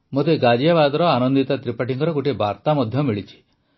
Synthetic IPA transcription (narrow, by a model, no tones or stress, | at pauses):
mot̪eɡad͡ʒijaβad̪ɔɾɔanɔnd̪it̪at̪ɾipaʈiŋɡɔɾɔɡoʈibʱaɾt̪amɔd̪ʱjɔmiɭit͡ʃʰi̥